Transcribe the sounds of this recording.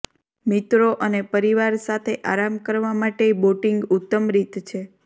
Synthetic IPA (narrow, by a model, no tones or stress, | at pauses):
mit̪ɾoʔənepəɾiʋaɾsat̪ʰeʔa̰ɾamkəɾʋamaʈeboʈiŋɡut̪ːəmɾit̪t͡ʃʰe